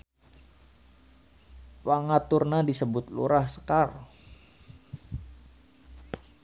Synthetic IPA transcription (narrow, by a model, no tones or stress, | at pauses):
paŋat̪ʊrnadisəbʊt̪̚lṵɾahsə̥kar